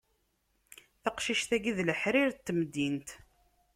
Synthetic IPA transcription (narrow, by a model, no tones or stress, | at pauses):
θɑqʃiʃθæɡiðləħɾiɾt̪ːmd̪ːint̪